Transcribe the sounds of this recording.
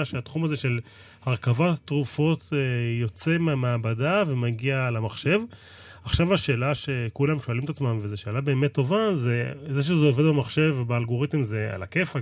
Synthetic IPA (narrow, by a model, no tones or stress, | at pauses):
aʃeat̪χumazeʃe̞l | haʁkavat̪ːʁufo̞t̪ejo̞t͡semeameabadavemaɡialamaχʃe̞v | aχʃavaʃe̞ːlaʃe̞kulamʃualimet̪at͡smamvezeʃe̞ːlabe̞ːmet̪ːo̞vazezeʃ̬ezeoved̪bemaχʃe̞vbealɡo̞ʁit̪emzea̰lakefa